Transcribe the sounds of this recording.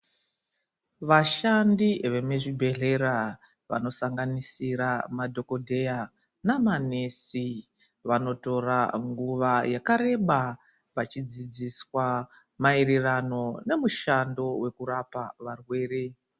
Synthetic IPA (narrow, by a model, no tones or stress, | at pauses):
ʋaʃandiʋe̞meʐibʱe̞ɮe̞ɾa | ʋa̰no̞saŋɡanisiɾamadʱo̞ko̞dʱe̞ja | namanesi | ʋano̞to̞raŋɡuʋajakaɾe̞ɓa | pat͡ʃid͡zid͡ziswa | maeɾerano̞ne̞muʃando̞we̞kuɾapaʋarwe̞ːɾe̞